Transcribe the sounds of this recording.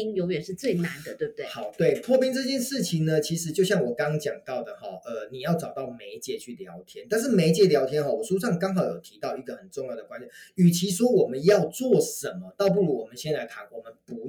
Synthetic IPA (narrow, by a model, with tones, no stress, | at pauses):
i˥ŋjo˧˥ʊɥɛ˨˩nʂɻ̩˥˧t͡swe˥˩ɪna˧˦nd̪ə˧t̪we˥˧bt̪hɑ˨˩ʊt̪we˥˩ɪt̪ʰwɔ˥˧pi˥ŋt͡sɤ˥˧t͡ɕjɛ˥˧nʂɻ̩˥˩t͡ɕʰi˨ŋnə˧t͡ɕʰi˧˥ʂ̬ɻ̩˧˥t͡ɕjo˥˧ʊɕjɑ˥˩ŋwɔ˨˩kɑ˦˥ŋt͡ɕjɑ̰˨˩ŋt̪ɑ˥˩ʊd̪ə˩xɔ̰˨˩ʔə˨ni˨˩jɑ˥˩ʊʈ͡ʂɑ˨˩ʊt̪ɑ˥˩ʊme˧˥ɪt͡ɕjɛ˧˥t͡ɕʰy˥˩ljɑ˧˥ʊt̪ʰjɛ˥nt̪a˥˧nʂ̬̩˥˩me˧˥ɪt͡ɕjɛ˧˥ljɑ˧˥ʊt̪ʰjɛ˥nxɔ˥˩wɔ˨˩ʂu˥ʂɑ˥˩ŋkɑ˥ŋɦɑ˨˥ʊjo˨˩t̪ʰi˧˥t̪ɑ˥˧ʊi˧˥ɡə˨xə˨˩nt͡sŋjɑ˥˩ʊd̪ə˩kwa˥˦n˨˩˦y˨˩t͡ɕʰi˧˥ʂwɔ˥wɔ˨˩mə˨˦njɑ˥˧ʊt͡swɔ˥˨˩ʂə˨˦nmə˦t̪ɑ˥˧ʊp̬u˥˩lu˨˥wɔ˨˩mə˦ɕjɛ˥nla˧˥ɪt̪ʰa˧˥nwɔ˨˩mə˨˦npu˧˦